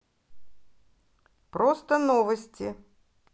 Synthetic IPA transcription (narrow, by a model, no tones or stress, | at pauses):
pɾost̪ənovəsʲtʲɪ